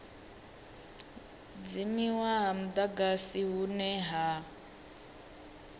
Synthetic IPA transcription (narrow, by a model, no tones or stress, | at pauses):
d͡zimiwaɦam̩d̪aɡasiɦunɛɦa